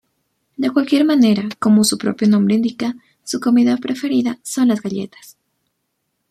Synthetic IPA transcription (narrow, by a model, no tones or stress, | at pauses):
d̪e̞kwalkje̞ɾmane̞ɾako̞mo̞supɾo̞̰pjo̞nombɾeind̪ika | suko̞miðapɾʔe̞fe̞ɾiðaso̞nlazɣaʎe̞̰t̪ḁs